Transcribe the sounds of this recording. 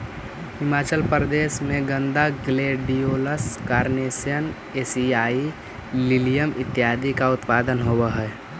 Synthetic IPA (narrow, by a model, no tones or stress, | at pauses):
hɪmaːt͡ʃəlpɾəd̪eːʃmẽɡə̃nd̪aɡleːɖijoːləskaːɾneːsjən | eːsiaːi | lɪlijəmʔɪt̪ːjaːd̪ikaʊt̪paːd̪ənɦowəɦɛː